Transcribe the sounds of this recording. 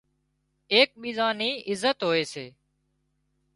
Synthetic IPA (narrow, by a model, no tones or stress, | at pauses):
eːk̚ɓiːzãːniːɪzət̪ɦoːeːseː